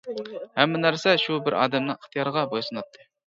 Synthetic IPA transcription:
hɛmːɪnæɾsɛʃubɪɾʔɑ̰ːd̪ɛmnɨŋəχt̪ʰijɑɾəʁɑbojsɨnɑt̪ʰːɨ

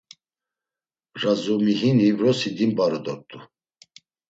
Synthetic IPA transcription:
razumiɦinivɾɔsid̪imbaɾɔd̪ɔk̚t̪ʼu

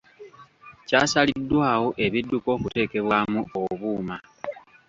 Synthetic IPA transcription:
caːsalidːwaːwo̞ʔe̞βidːuko̞ːkute̞ːke̞βwaːmuo̞βuːma

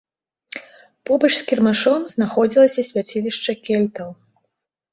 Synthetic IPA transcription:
pɔbɐt͡ʂskʲirmaʂɔmznaxɔd͡zʲilˠɐsʲɐsʲvʲat͡sʲilʲiʂt͡ʂɐkʲɛlʲt̪ɐw

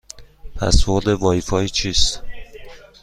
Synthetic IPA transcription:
pʰæ̰svoɾd̪evɒːjifɒːjiːt͡ʃʰiːst̪

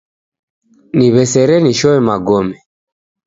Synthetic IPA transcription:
niβɛsɛɾɛniʃɔɛmaɡɔmɛ

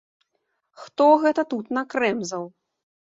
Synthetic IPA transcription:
xt̪ɔɣɛt̪ɐt̪ut̪nɐkɾɛmzɐw

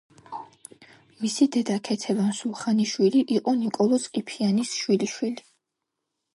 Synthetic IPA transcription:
misid̪ɛd̪akʰɛt̪ʰɛvansulˠχaniʃwiliʔiqʼɔnikʼɔlˠɔt̪sʼqʼipʰianisʃwiliʃwili

